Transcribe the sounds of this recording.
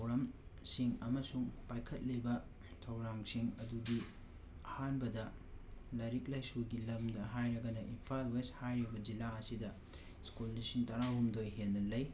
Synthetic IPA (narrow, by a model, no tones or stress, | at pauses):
twɾamsiŋɐmɐsuŋpajkʰɐt̚libɐ | tʰɐwɾaŋsiŋɐduɡi | ɐhanbɐdɐ | lɐɾik̚lajsuɡilɐmdɐɦajɾɐɡɐnɐʔinpʰalweshajɾibɐd͡ʒilaɐsidɐ | skulːisiŋtɐɾahumdojɦenːɐlɐj